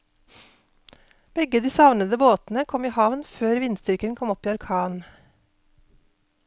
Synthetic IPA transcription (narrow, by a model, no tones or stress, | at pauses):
b̥ɛɡəd̪iːsɑʋnəd̪əboːt̪n̩əkʰɔmiːhɑʋnføːɾʋɪnst̪ʏɾkənkʰɔmɔpiːɑɾkʰɑːn